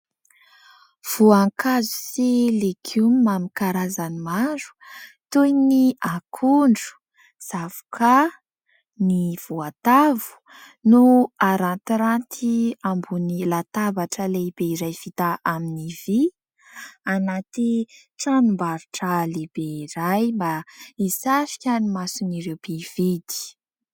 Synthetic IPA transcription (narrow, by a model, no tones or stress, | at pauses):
v̥uaŋkazu̥silekʰumamikaɾazanimaɾu̥ | t̪ujniʔakʰuɳɖ͡ʐu̥ | z̥avu̥kʰa | niv̥uat̪avu̥ | nuaɾant̪iɾant̪ʰiambunilat̪avaʈ͡ʂəlebeiɾajv̥it̪aaminivi | anat̪i | ʈ͡ʂanumbaɾuʈ͡ʂaleb̥eiɾajmbaisaʃi̥kʲanimasuniɾewb̥eved̪i̥